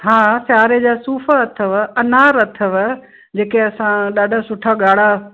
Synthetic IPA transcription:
ɦãːsjaːɾed͡ʑaːsuːfaɐt̪ʰəʋɐnaːɾɐt̪ʰəʋə | d͡ʑeːkeɐsãɗaːɖʱə̆sʊʈʰaɠaːɽ̤a

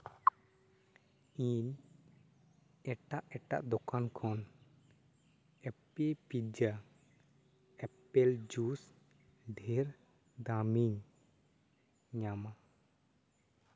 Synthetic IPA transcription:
iɲ | ɛʈaʔɛʈa̰ʔd̪ɔkʰankʰɔn | ɛpepid͡ʒa | ɛpɛld͡ʒus | ɖʱɛɾ | d̪amiɲ | ɲama

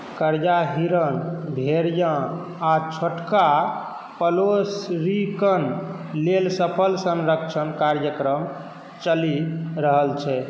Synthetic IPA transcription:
kəɾjaɦiɾənbʱeɾjã | at͡ʃʰoʈka | pəlosɾikən | lelsəpʰəlsənɾəkt͡ʃʰənkaɾjəkɾəm | t͡ʃəliɾəɦəlt͡ʃʰɛ

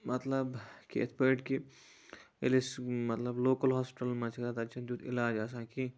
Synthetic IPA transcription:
mɐt̪lɐbkiḛspeːʈki | ḛlismɐt̪lɐbloːkəlɦaːspɪʈɐlmãt͡ʃʰk̪at̪ɐt͡ʃʰɐ̃nd̪jut̪ɪ̰laːd͡ʒas̬ãːki

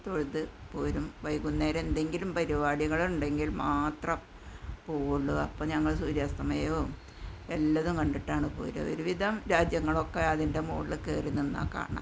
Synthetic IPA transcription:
t̪o̞ɻut̪ðɨpoːɾumʋɐjkunːeːɾe̞nd̪e̞ŋɡilumpɐɾibaːɽiɣɐɭuɳɖe̞ŋɡilmaːt̪rɐm | poːɭːuɐpːoɲɐŋːɐɭsuːɾjaːst̪ɐmɐjoː | elːɐðumkɐɳɖiʈːaːɳɨpo̰ːɾɐ̰o̰ɾuʋid̪ʱɐmɾaːd͡ʑjɐŋːɐɭo̞kːeɐðinde̞mo̰ːɭːɨkḛːrinːunːa̰kːa̰ːɳɨ̰

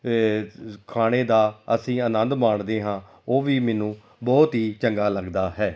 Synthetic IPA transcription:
kʰaːɽ̃eːd̪aːəsĩːənənd̪maːɳd̪eːɦãː | oːʋiːmɛːnũː | bɔːt̪ɦiːt͡ʃəŋɡaːləɡd̪aːɦɛː

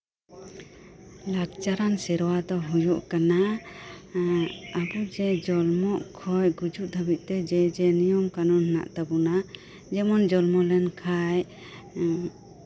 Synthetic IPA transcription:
lakt͡ʃaɾansɛɾɔwad̪ɔɦujuʔkana | abud͡ʒɛd͡ʒɔlmɔʔkʰɔjɡud͡ʒuʔ̚d̪ʱəbit̪̚t̪ɛd͡ʒɛd͡ʒɛnijɔmkanɔnhna̰ʔt̪abuna | d͡ʒɛmɔnd͡ʒɔlmɔlɛnkʰaj

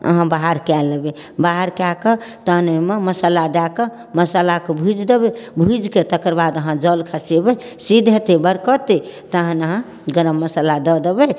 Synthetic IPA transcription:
ə̰ɦãbaɦaɾkɛlːebebaɦaɾkakət̪əɦnəmeməsəlad̪akə | məsəlakebʱud͡ʒd̪ebebʱud͡ʒket̪əkəɾbad̪əɦãd͡ʒəlkʰasebɛ | sid̪ʱɦet̪ebəɾkɔt̪et̪əɦə̃nəɦã | ɡəɾəmːəsəlad̪ɔd̪ebɛ

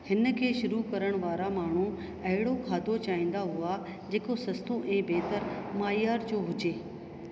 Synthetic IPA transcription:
hɪnə̆kʰeːʃʊɾukɐɾəɽ̃ʋaːɾamaːɳ̤u | ɐɦɪɽokʰaːd̪ʱot͡ɕaːĩːn̆d̪aɦua | d͡ʑeːkosɐst̪oʔɛ̃ːbeːt̪əɾmaːjjaːɾd͡ʑoːɦʊd͡ʑeː

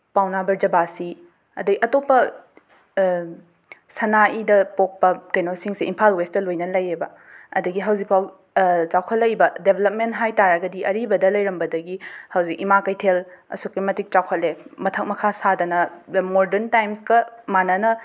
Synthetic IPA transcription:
pawnabɐɾd͡ʒɐbasi | ɐ̰dɐɡiʔɐtopːɐ | sɐnaʔidɐpok̚pɐkɐjnosiŋsiimpʰalwestɐlojnɐlɐjibɐ | ɐ̰dɐɡiɦɐwzik̚pʰaw | t͡ʃawkʰɐtlɐjbɐdebʱelɐp̚mentɦajtaɾɐɡɐdiʔɐɾibɐdɐlɐjɾɐmbɐdɐɡihɐwzik̚imakɐjtʰelɐ̰sukimɐtik̚t͡ʃawkʰɐt̚lːemɐtʰɐk̚mɐkʰasadɐnɐmoɾdeɾntajmskɐmanɐnɐ

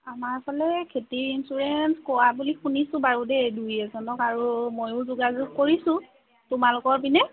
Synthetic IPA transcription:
amaɹpʰɔlɛkʰetiɹinsuɹɛnskɔwabulixunisʊ̃baɹudɛdujɛzɔnɔkaɹumojʊzuɡazʊkkoɹisʊ̃ | tʊmalʊkɔɹpinɛ

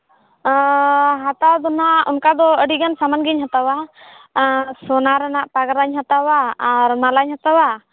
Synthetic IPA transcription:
ɦat̪awd̪ɔnaɔnkad̪ɔəɖiɡansamanɡiɲɦat̪awa | sɔnaɾɛnaʔpaɡaɾaɲhat̪awaːɾmalaɲhat̪awa

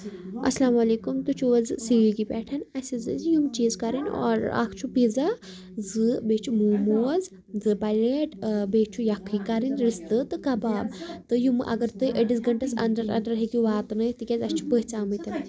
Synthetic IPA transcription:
ɐ̰slaːmɐleːkumt̪ut͡ʃʰuɐzsiʋiɡipɛːʈʰɐnɐsizɨzjumt͡ʃiːzkɐɾinɔ̰ːɾa̰kʰt͡ʃʰupiza | zɨbet͡ʃʰumuːmuz | zɨpajleʈbeːt͡ʃʰujɐkʰːikɐɾinɾist̪ɨt̪ɨkɐbaːbt̪ɨjumɨʔɐ̰ɡɐɾt̪ɨjʔəʈis̬ɡɐɳʈɐsɐ̰nd̪ɐɾɐ̰nd̪ɐɾɦikiʋaːt̪nɨt̪ikʲazɐst͡ʃʰu̥pəɦt͡saːmɨt̪ɐn

